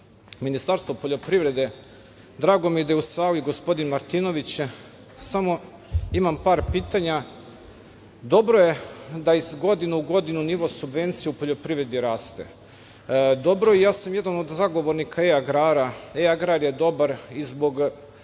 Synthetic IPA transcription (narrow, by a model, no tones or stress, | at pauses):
minist̪aɾst̪ʋopoʎo̞pɾivɾe̞d̪e̞ | d̪ɾaːɡo̞mije̞d̪ajusaːliiɡo̞spo̞d̪inmaɾt̪ino̞ʋit͡ɕ | samo̞ | imampaːɾpiːt̪aɲa | d̪o̞bɾoje̞d̪aizɡo̞d̪inuuɡo̞d̪inuniʋo̞subʋe̞nt̪sijupoʎo̞pɾiʋɾe̞d̪iɾaːst̪e̞̰ | d̪o̞bɾo̞ijaːsamje̞d̪ano̞d̪zaɡo̞ʋoɾnikʰaeaɡɾaːɾaeaɡɾaɾjed̪o̞baɾizbo̞ɡ